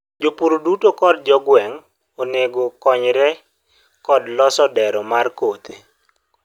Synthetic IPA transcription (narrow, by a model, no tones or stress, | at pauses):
d͡ʒopuɾodutokɔd̚d͡ʒɔɡwɛŋ | oneɡokɔɲɾɛ | kɔdlɔsɔdɛɾɔmarkot̪e